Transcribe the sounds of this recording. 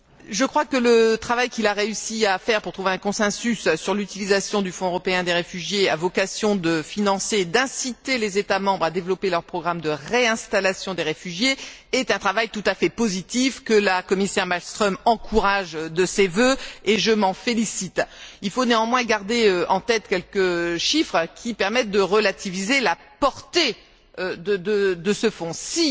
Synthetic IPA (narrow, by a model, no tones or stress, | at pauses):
ʒəkχwakələt̪χavajkʲilaʁeysiafɛʁpuʁt̪χuveɛ̃kɔ̃sɛ̃sysːyʁlyt̪ilizasjɔ̃d̪yfɔ̃øʁɔpeɛ̃d̪eʁefyʒjea̰vɔkasjɔ̃d̪əfinɑ̃sed̪ɛ̃sit̪elezet̪amɑ̃bʁad̪evlɔpelœʁpχɔɡʁamd̪əʁeɛ̃st̪alasjɔ̃d̪eʁefyʒjeɛt̪ɛ̃t̪χavajt̪ut̪afɛpozit̪ifkəlakɔmisɛʁmalst̪χɔmɑ̃kʰuʁaʒd̪əsevøeʒəmɑ̃felisit̪ilfoneɑ̃mwɛ̃ɡaʁd̪eøʔɑ̃t̪ɛt̪kʲɛlkəʃifχkʲʰipɛʁmɛt̪̚d̪əʁəlat̪ivizelapɔʁt̪e | d̪əd̪əd̪əsəfɔ̃si